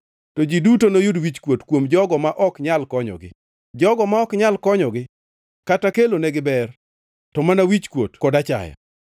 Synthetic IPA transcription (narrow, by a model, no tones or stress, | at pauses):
tɔd͡ʒidutonojudwit͡ʃkwotkwomd͡ʒɔɡɔmaʔɔkɲalkɔɲɔ̰ɡɪ̰ | d͡ʒɔɡɔmaɔkɲalkɔɲɔɡɪ | katakelonɛɡɪbɛr | ttɔmanawit͡ʃkwotkɔdat͡ʃa̰jɔ̰